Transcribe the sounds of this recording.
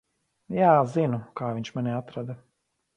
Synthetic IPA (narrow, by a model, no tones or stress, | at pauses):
jaːzinukaːviɲʃmanʲiat̪ɾad̪a